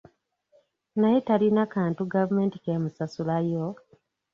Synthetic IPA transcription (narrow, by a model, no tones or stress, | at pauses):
naje̞talinakaːntuɡavume̞ːnti̥kemusasulajo